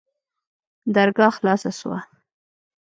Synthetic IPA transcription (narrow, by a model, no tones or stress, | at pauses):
d̪aɾɡɑxlɑsaswa̰